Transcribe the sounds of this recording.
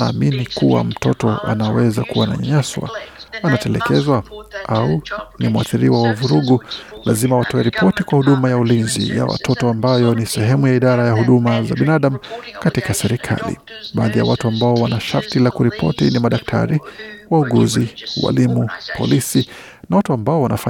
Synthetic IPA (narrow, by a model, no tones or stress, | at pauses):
naːminikuwa̰m̩tʰɔtɔʔa̰nawɛzakuwana̰ɲa̰ɲaswa̰anatɛlɛkɛzwaʔaunimuaθiɾiwawauvuɾuɠulazimawatɔwɛɾipʰɔtikwahuɗumajaulinzḭja̰wa̰tʰɔtɔambajɔnisɛɦɛmujaiɗaɾajahuɗumazaɓinaɗam̩katikasɛɾikʰa̰lḭ | ɓaːðija̰watuambaɔwanaʃaɾtilakuɾipʰɔ̰tinimaɗak̚tʰa̰ɾiwauɠuziwa̰limupʰɔ̰lisi | nawatuambaɔwanafa